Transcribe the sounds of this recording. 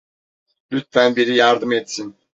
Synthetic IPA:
lyt̪fænbiɾijaɾd̪ɯmɛt̪sin

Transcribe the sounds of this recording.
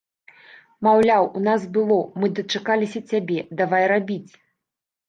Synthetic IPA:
mawlʲawunasbɨlˠɔmɨd̪ɐt͡ʂakalʲisʲɐt͡sʲabʲɛd̪avajrabʲit͡sʲ

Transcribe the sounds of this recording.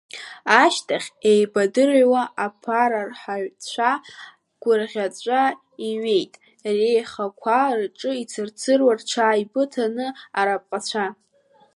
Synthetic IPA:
aʃtʰaχʲejbadɨrwaʔapʰaɾarħaɥt͡ɕʷʰa | ɡ̥ʷʊrʁʲat͡sʷʼa | iɥe̞jtʼ | rejχakʷʰarʈ͡ʂʼɨit͡sʰɨrt͡sʰɨrwart͡ɕʷʰaːibɨtʰanɨaɾapʼqʼat͡ɕʷʰa

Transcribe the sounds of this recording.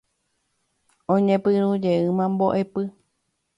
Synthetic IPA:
õɲẽpɨɾud͡ʒeɨmãmboʔe̞pɨ

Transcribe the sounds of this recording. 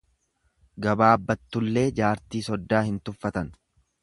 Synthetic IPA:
ɡɐbaːɐbːɐt̪ːʊlːe̞ːd͡ʒaːɾt̪iːsɔd̪ːaːhɪnt̪ʊfːɐt̪ɐn

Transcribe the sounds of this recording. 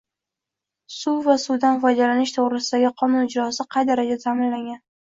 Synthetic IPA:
suvasud̪anfɒjd̪alanɪʃt̪ʰoʁɾɪsɪd̪aɡʲɪqʰɒnʊnɪd͡ʒɾɒsɪqʰɑjd̪aɾad͡ʒat̪ʰamɪnlaŋɡʲan

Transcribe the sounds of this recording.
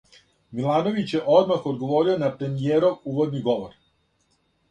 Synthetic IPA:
milˠaːno̞ʋit͡ɕje̞ʔo̞d̪maxod̪ɡo̞ʋo̞ːɾionapɾe̞mijeːɾomuːʋo̞d̪niɡo̞ʋoɾ

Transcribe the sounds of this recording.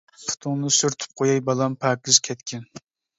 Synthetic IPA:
fu̥t̪ʰʊŋnɨsyɾt̪ʰy̥p̚qʰojɑjbɑlˠɑmpʰækʲɪz̥kʲʰɛt̪kʲɪn

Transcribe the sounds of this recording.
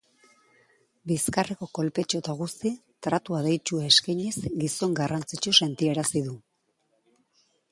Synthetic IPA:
biskareko̞ko̞lpe̞t͡ʃot̪aɣ̞ust̪i | t̪ɾat̪uaðe̞jt͡ʃuaeskajɲezɡiso̞ŋɡarant͡sit͡ʃuse̞nt̪ie̞ɾasiðu

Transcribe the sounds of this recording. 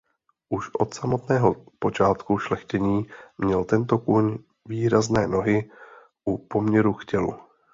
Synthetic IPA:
ʔuʃʔo̞̰t̪samo̞t̪nɛːɦo̞po̞t͡ʃaːt̪kuʃlɛxcɛɲiːmɲɛlt̪ɛnt̪o̞kuɲ | viːɾaznɛːno̞ɦɪ | ʔupo̞mɲɛɾuxcɛlṵ

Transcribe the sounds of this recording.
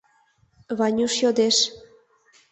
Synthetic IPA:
βɑnʲuʃjod̪eʃ

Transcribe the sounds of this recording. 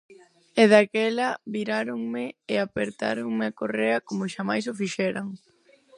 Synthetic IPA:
eðakɛlɐβiɾaɾoŋmɪɪapeɾt̪a̰ɾoŋmɪakoreɐkomʊʃamajsʊfiʃɛɾaŋ

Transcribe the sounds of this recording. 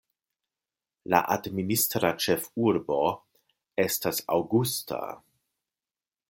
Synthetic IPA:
la̰ʔadministɾat͡ʃefuɾbo̞ | e̞stasawɡustʰa̰

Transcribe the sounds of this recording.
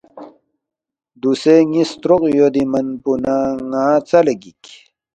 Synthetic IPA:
d̪useŋist̪ɾoqjod̪imɐnpunaŋaːt͡sɐleɡik

